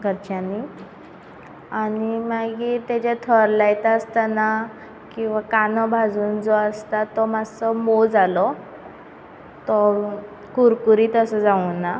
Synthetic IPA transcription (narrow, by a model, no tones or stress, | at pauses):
ɡʱəɾt͡ɕani | animaɡit̪jad͡ʑat̪ʰəɾlajt̪aəst̪ana | kĩw̃ʋakanɔbʱad͡zuːnd͡zɔəst̪at̪ɔmad͡zsɔmod͡zalɔ | t̪ɔ | kuɾkuɾiːt̪əsəd͡zaunːa